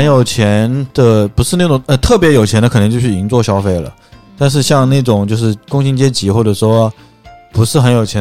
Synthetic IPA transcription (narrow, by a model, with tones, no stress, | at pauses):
ə˧˥njo˨˩ʊt͡ɕʰjɛ˧˥nd̪̥ə˨pu˧˥ʂɻ̩˥˧na˥˩ʈ͡ʂʊ˨˩ŋə˥˧t̪ʰɤ˥˩pjɛ˧˥jo˨˩ʊt͡ɕʰɛ˧˥nə˧kʰɤ˨˩n˧˥˧t͡ɕo˥˧ʊɕi˧˥nt͡swɔ˥˩ɕjɑ˥ʊfe˥˩ɪlə̰˩ | t̪a˥˧nʂ̬ɻ̩˥˧ɕjɑ˥˧ŋna˥˩ɪʈ͡ʂʊ˨˩ŋt͡ɕjo˥˧ʊʂɻ̩˥˩kʊ˥ŋɕi˥ŋt͡ɕjɛ˥t͡ɕi˧˥xwɔ˥˩ʈ͡ʂɤ˨˩ʂwɔ˥˧˩ | pu˧˥ʂɻ̩˥˩xə˧˥njo˨˩ʊt͡ɕʰjɛ˧˥